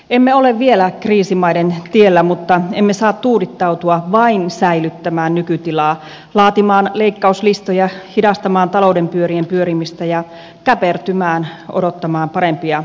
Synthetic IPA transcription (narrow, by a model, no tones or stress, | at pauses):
emːeoleʋʋielækriːsimɑident̪ielːæmut̪ːɑemːesɑːt̪t̪uːɾit̪ːɑut̪uɑʋɑinsæilyt̪ːæmæːnnykyt̪ilɑː | lɑːt̪imɑːnleikːɑuslist̪ojɑhidɑst̪ɑmɑːnt̪ɑloudempyøɾiempyøɾimist̪æjɑ | kæpert̪ymæːnʔo̰ot̪ːɑmɑːmpɑɾempiɑ